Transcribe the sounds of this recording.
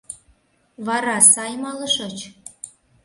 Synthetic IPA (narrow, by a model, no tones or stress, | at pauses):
βɑɾɑsɑjmɑlɤ̆ʃɤt͡ɕ